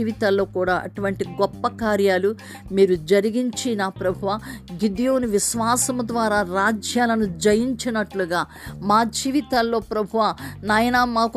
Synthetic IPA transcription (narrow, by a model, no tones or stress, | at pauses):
iːʋit̪aːlːo̞ːkuːɽaːʔɐ̰ʈuʋɐɳʈiɡɔpːɐkaːɾjaːlu | miːɾud͡ʒɐɾiɡiɲt͡ʃinaːpɾɐbʱuʋaːɡid̪ijoːniʋiʃʋaːsɐmɐd̪ʋaːɾaːɾaːd͡ʒjaːlɐnud͡ʒɐjiɲt͡ʃinɐʈluɡaː | maːd͡ʒiːʋit̪aːlːo̞ːpɾɐbʱuʋanaːjɐnaːmaːk